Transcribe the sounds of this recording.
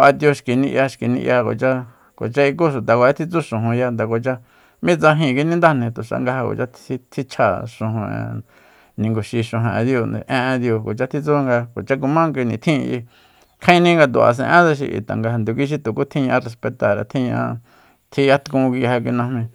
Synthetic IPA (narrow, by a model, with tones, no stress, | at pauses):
ʔa˧t̪jo˧ʃki˨nĩ˧ʔja˧ʃki˨nḭ̃˧ʔja˧ko̰˨t͡ʃa˦ | ko̰˨t͡ʃa˦i˧k̬u˦ʃ̬u˨t̪a˨kʷe˦t̪ʰi˧t͡su˦ʃũ˨ɦũ˨ja˧nd̪a˨ko˨t͡ʃa˧ | mĩ˦t͡sã˧ɦĩ˧˨˧ki˧nĩ˦nd̪a˦nĩ˧t̪u˨ʂa̰˧ŋɡa˧ha˧ko̰˨t͡ʃa˦i˧t̪ʰi˦t͡ʃʰa˧ʃõ˨ɦõ˧ḛ̃˧ | nĩ˨ŋɡu˨ʃi˧ʃõ˧ɦẽ˨ʔd̪jo˧nḛ˨˧ʔẽ˧ʔd̪jo˧ko̰˨t͡ʃa˦˧t̪ʰi˦˧t͡su˦˧ŋɡa˧ko̰˨t͡ʃa˦˧k̬u˧mã˦k̬ʷi˧nĩ˨t̪ʰĩ˦˧i˧ | kʰã˦ĩ˦˧nĩ˦ŋɡa˧t̪u˨a̰˧˨s̬ḛ̃˧ʔẽ˦t͡sa˧ʃ̬ḭ˧ʔḭ˨t̪a̰˨ŋɡa˧nd̪u˧kʷi˧˦ʃ̬i˧t̪u˨ku˦t̪ʰĩ˦ɲ̃˧ã˧re˧spe˧t̪a˨ɾa̰˨t̪ʰĩ˦ɲ̃˧ã̰˧ | t̪ʰi˧ja˦t̪kũ˧kʷi˧ha˧k̬ʷi˧nã˧hmĩ˧